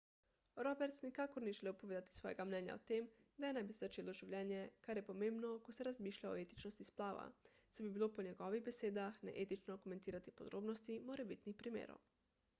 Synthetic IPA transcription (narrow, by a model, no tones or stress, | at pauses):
ɾɔbɛɾt̪snikaːkoɾniʒeleːwpoʋeːd̪at̪i̥sʋɔːj̰ɡamnɛːnja̰oɔ̰t̪eːmd̪ajenɛjbisezat͡ʃeːloʒiwlʲjɛːnjɛkaɾjɛpomeːmbnokosɛɾazmiːʃʎʲao̰et̪i̥t͡ʃnost̪isplaːʋa̰sɛbibiloponɛɡɔʋiɣbeseːd̪axnɛ̰ʔet̪it͡ʃnokoment̪iːɾat̪ipod̪ɾoːbnost̪imoɾɛbit̪nixpɾimḛːɾo̰w